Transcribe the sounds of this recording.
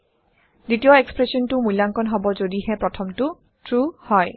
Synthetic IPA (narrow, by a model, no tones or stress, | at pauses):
ditijɔekspɹesɔntʊmujlaŋkɔnɦɔbɔzodihɛpɹɔtʰɔmtʊ | tʰɹuhɔj